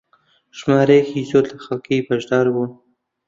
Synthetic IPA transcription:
ʃmɑːɾexizot̪axakebaʒd̪ɑɾwu

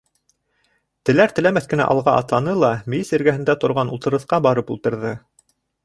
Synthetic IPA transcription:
t̪ɘ̆læɾt̪ɘ̆læmæθkɘ̆næ̰ʔɑ̰lˠʁɑʔɑ̰t̪lˠɑnɤlˠɑmɘ̆jisɘ̆ɾɡæɦɘ̆nd̪æt̪ŏɾʁɑnṵlˠt̪ɤ̆ɾɤ̆θqɑbɑɾɤpulˠt̪ɤ̆ɾðɤ

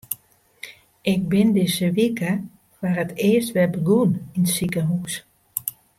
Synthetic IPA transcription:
ʔɪk̚bɪndɪsəʋikə | ʋarətɪəstʋɛlbəɡuninsikəɦus

